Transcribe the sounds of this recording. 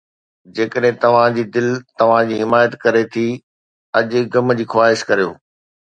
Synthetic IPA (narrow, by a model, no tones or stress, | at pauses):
d͡ʑeːkəɗɦɪ̃t̪ɐʋ̤ãd͡ʑiːd̪ɪlt̪ɐʋ̤ãd͡ʑiːɦɪmaːjət̪kɐɾet̪ʰi | ɐʄɡɐmd͡ʑiːxwaːɦɪʃkɐɾijoː